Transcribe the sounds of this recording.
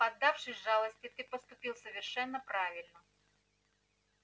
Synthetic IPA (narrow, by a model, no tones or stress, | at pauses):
pɐd̪ːafʂɨsʲʐalˠəsʲtʲɪt̪ɨpəst̪ʊpʲilˠsəvʲɪrʂɛnːəpɾavʲɪlʲnə